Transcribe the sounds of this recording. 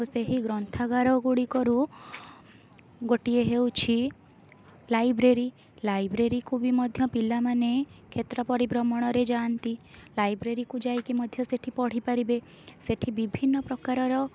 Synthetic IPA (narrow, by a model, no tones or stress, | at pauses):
ɦoseɦiɡɾɔnt̪ʰaɡaɾɔɡuɽikɔɾu | ɡoʈieɦewt͡ʃʰi | lajbɾeɾi | lajbɾeɾikʰubimɔd̪ʱjɔpilamanekʰet̪ɾɔpɔɾibɾɔmɔɽ̃ɔɾed͡ʒant̪ilajbɾeɾikud͡ʒajkimɔd̪ʱjɔseʈʰipɔɽ̤ipaɾibe | seʈʰibibʱinːɔpɾɔkaɾɔɾɔ